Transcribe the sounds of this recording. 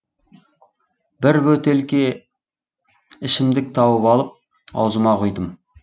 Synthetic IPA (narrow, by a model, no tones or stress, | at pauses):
b̥ɪɾbɵt̪e̞lkʲe̞ | ɪʃɪmd̪ɪk̚t̪ʰɑwəpɑlˠəp̚ | ɑ̰wzəmɑqʰʊjd̪əm